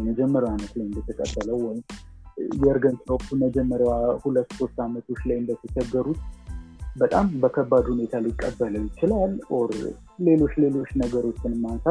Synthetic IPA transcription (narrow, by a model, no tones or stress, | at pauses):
məd͡ʒɛmːəɾawanət̪lajɨnd̪ət̪ʰəkʼə̰bːələwɔjɪm | jɛɨɾɡənt̪ʰokʼt̪ʰuməd͡ʒɛmːəɾjawahulət̪ːso̞st̪ʼamət̪ʰot͡ʃːlajɨnd̪ət̪ʰət͡ʃəɡːəɾut̪ | bət̪ʼambəkʰəbːad̪hune̞t̪ʰalɪkʼːə̰bːələwjɪt͡ʃɪlalʔoɾ | le̞lo̞t͡ʃːle̞lo̞t͡ʃːnəɡəɾo̞t͡ʃːɪnɨmːansa